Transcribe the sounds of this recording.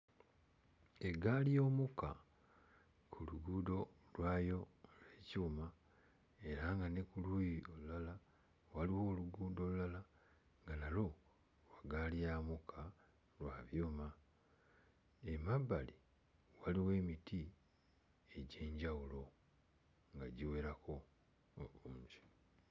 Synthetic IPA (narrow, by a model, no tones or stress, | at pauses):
e̞ɡalijo̞ːmuka̰ | kʰuluɡuːdo̞ | lwajo̞leːcuːma | e̞ɾaŋɡanekulujio̞lulala | waliwo̞ːluɡuːdo̞lulala | ŋɡanalo̞ | waɡalijaːmukʰa | lwaːβjoːma | emabːali | waliwe̞ːmitʰi | e̞ɟe̞ːɲɟawulo̞ | ŋɡaɟiwe̞ːɾako̞ | umzi̥